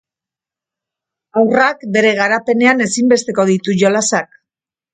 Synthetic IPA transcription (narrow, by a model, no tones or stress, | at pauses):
awrakbe̞ɾe̞ɣaɾape̞ne̞ane̞simbe̞st̪e̞ko̞ðit̪uʝo̞lasak